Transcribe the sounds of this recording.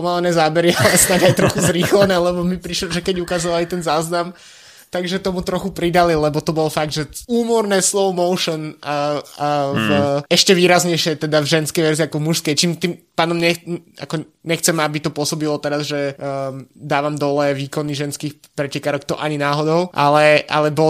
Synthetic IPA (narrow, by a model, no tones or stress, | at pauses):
pɔmalɛnɛːzaːbɛɾialɛsnaɟajt̪ɾɔxuzɾiːxlɛnɛːlɛbɔmipɾiʃlɔʒɛkɛɟukazɔʋalit̪ɛnzaːznam | t̪aɡʒɛt̪ɔmut̪ɾɔxupɾid̪alilɛbɔt̪ɔbɔlfaɡ̚d̪ʒɛuːmɔɾnɛːslɔʊmɔʊʃɔn | vɛʃcɛʋiːɾazɲɛjʃɪɛt̪ɛd̪avʒɛnskɛjʋɛɾziakɔmuʃskɛjt͡ʃiːmt̪iːmpaːnɔmɲɛa̰kɔ | ɲɛxt͡sɛmabit̪ɔpʊɔsɔbilɔt̪ɛɾazʒɛ | d̪aːʋamd̪ɔlɛʋiːkɔniʒɛnskiːx | pɾɛcɛkaːɾɔkt̪ɔʔaɲinaːɦɔd̪ɔʊʔa̰lɛʔa̰lɛbɔ